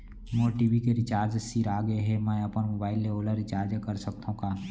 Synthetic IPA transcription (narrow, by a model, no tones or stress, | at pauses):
mõːʈiːʋikeɾɪt͡ʃaːɾd͡ʒsiɾaːɡəeɦɛmɛ̃ːɐpənmobaːɪlːeoːləɾɪt͡ʃaːɾd͡ʒəkəɾsəkt̪ʰaɦũkaː